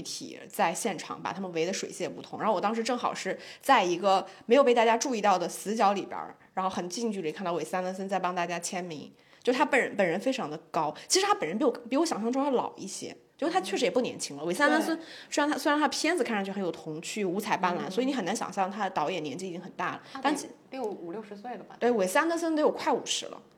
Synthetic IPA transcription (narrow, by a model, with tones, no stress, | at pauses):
ɪt̪ʰḭ˨˩t͡sa˥˧ɪɕjɛ˥˩nʈ͡ʂʰɑ̰˨˩˦ŋpa̰˨˩t̪ʰa˥mə˨nwe˧˥ɪd̪ə˧ʂwe˨˩ɪt͡ɕjɛ˥˩pu˥˩ʊ˧˥ŋɻwɔ˨˩t̪ɑ˥ʂɻ̩˧˥ʈ͡ʂɤ˥˩ŋxɑ̰˨˩ʊʂɻ̩˥˧t͡sa˥˩ɪi˧˥ɡə˧me˧˥jo˨˩p̬ɪt̪a˥˩t͡ɕja˥ʈ͡ʂu˥˧i˥˧t̪ɑ˥˩ʊd̪ə˩sɹ̩˧˥t͡ɕjɑ˧˥ʊli˨˩pjə̰˧˥ɻa˧˥nxo˥˩ʊxə˨˩nt͡ɕi˥˧ŋt͡ɕy˥˩ə˩˨kʰnt̪ɑ˥˩we˩sa˥na˧˥ns̬ə˥nt͡sa˥ɪpɑ˥ŋt̪a˥˩t͡ɕja˥t͡ɕʰjɛ˥nmi˧˥ŋ | t͡ɕjo˥˩ʂt̪ʰa˥pə˨˩nɻə̰˧˦npə˨˩nɻə˧˥nfe˥ɪʈ͡ʂʰɑ˧˥ŋd̪ə˧kɑ˥ʊt͡ɕʰi˧˥ʂɻ̩ʰ˧˥a˥pə˨˩nɻə˧˥pi˧˥˩u˧˥˩pi˧˥wɕjɑ˨˩ŋɕ̬jɑ˥˧ŋʈ͡ʂʊ˥ə˥˩lɑ̰˨˩ʊʔḭ˥˩ɕjɛ̰˥˧˥t̪ʰa˥t͡ɕʰɥɛ˥˩ʂɻ̩˧˥jɛ˨˩pu˥˩njɛ̰˧˥nt͡ɕʰi˥ŋlə˧ws̬̩˥a˥nt̪ə˥ns̬ə˥nswe˥ɻnʰa˥swe˥ɻnt̪ʰə˧pʰjɛ˥nd͡zɹ̩˨kʰa˥˩nʂɑ˥˩t͡ɕʰxjo˨˩ʊt̪ʰʊ˧˥ŋt͡ɕʰy˥˩u˧˥t͡sʰa˨˧˩ɪpa˥nla̰˧˥nswi˧˩n˧˥xə˨˩na˧˥nɕjɑ̰˨˩ŋɕjɑ˥˩ŋt̪ʰa˥ə˩t̪ɑ˧˥ʊjɛ˨˩njɛ˧˥nt͡ɕi˥˩i˨˩t͡ɕi˥ŋxə˨˩nt̪a˥˩lə˩a˥˩˥ | ju˨˩ljʂɻ̩˧˥swe˥˩d̪ət̪we˥˩ɪwe˨˩ɪs̩˥a˥nə˥ns̬ə˥nt̪e˧˥jo˨˩ʊkʰwa˥˩ɪṵ˨˩ʂɻ̩˧˥lə̰˧